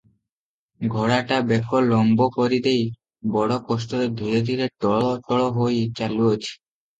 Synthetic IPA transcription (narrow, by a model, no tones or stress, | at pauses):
ɡʱɔɽaʈabɛkʰolɔmbokoɾid̪ej | bɔɽokɔsʈod̪eɾd̪ʱud͡ʑod̪ʱiɾeʈɔɭotɔɭoɦojt͡ɕaluot͡ɕʰi̥